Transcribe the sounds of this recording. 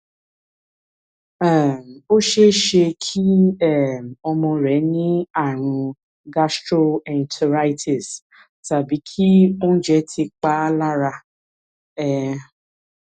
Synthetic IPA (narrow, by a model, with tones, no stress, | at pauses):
ɛ̃˨o˦ʃe˦ʃe˧kʰi˦ɛ˦˨ɔ˧mɔ̃˧ɾɛ˨˦nĩ˦a˦˨ɾ̃ũ˧ | ɡa˦stɾo˧ɛ̃˨ntʰa˧ɾa˦jtʰi˨s | ta˨bi˨˦kʰi˦o˦n̩˦d͡ʒɛ˦tʰi˧k͡pa˦la˦ɾa˧ | ɛ˦